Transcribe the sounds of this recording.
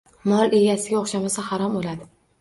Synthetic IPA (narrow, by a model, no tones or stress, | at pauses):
mɒle̞ɡʲasɪɡʲaoχʃamasahɑɾɒmolad̪ɪ